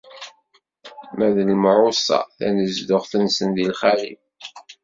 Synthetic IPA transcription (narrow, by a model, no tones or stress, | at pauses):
mæðəlmɾʊsɑ̰θæ̰nəzd̪ʊʁθənsənðilχælḭm